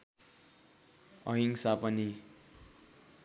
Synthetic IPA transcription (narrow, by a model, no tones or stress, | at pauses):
ʌɦiŋsapʌni